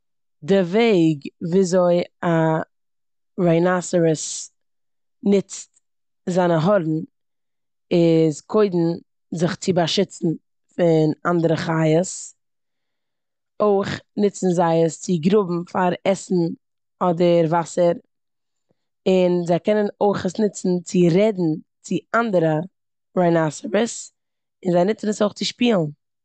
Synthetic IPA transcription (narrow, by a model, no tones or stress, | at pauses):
dɪveɪɡviːzoɪa | ɾaɪnasəɾəs | nɪt͡st | zaɪnəɦɔɾn̩ | ɪzkʰoɪdn̩ | zɪχt͡sɪbaʃɪt͡sn̩ | fɪnandəɾəχaɪəs | oɪχnɪt͡sn̩zaɪəst͡sɪɡɾʊbm̩faɾɛsn̩ | ɔdəɾvasəɾ | ɪnzaɪkɛnənoɪχəsnɪt͡sn̩t͡sɪɾɛdn̩ | t͡sɪandəɾə | ɾaɪnasəbəs | ɪnzaɪnɪt͡snəsoɪχt͡sɪʃpiːlˠn